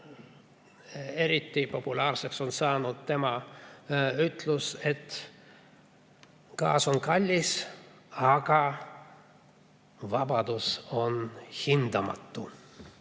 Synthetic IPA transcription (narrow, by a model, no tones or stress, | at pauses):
e̞ɾit̪ːipo̞pulɑːrse̞kso̞nsɑːnud̪̥̚t̪e̞mɑ | yt̪ˑluse̞t̪ | kɑ̰ːso̞nkɑlʲːis | ɑɡ̥ɑ | vɑb̥ɑd̪̥uso̞nhind̪̥ɑmɑ̰t̪ːu